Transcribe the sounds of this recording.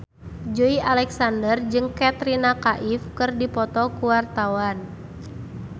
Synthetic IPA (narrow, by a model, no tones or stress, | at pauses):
d͡ʒoiʔalɛksandərd͡ʒɨŋkɛt̪ɾinakaʔifkɨrdipɔt̪ɔkuwart̪awan